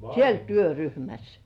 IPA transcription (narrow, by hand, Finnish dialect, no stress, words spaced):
siel tyøryhmæs